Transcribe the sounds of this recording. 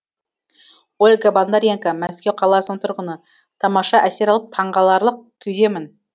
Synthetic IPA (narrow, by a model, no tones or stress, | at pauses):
olʲɡaband̪aɾʲjeŋkamæskʲe̞wqʰɑlˠɑsnəɴt̪ʰʊɾʁənə | t̪ʰɑmɑʃɑʔæse̞ɾɑlˠəp̚t̪ʰɑɴʁɑlˠɑɾlˠəq̚kʲʰʏjd̪e̞mɪn